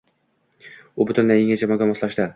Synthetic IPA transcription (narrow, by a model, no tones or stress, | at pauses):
ʊbʊt̪ʊnːajɪŋʲat͡ʃʰamɒɡʲamɒslˠaʃd̪ɪ